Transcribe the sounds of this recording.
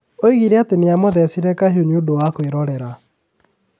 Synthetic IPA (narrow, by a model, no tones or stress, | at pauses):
oiɣiɾɛateneamoðɛsiɾɛkaɦioniodowakoeɾɔɾɛɾa